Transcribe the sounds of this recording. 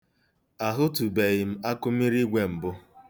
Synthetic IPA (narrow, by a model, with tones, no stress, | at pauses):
a˨ɦʊ˦tu˨be˨ɣɪ˨m̩˦a˦kʊ˦m̩˦i˦ɾi˦ɡʷe˨m̩˨bʊ˦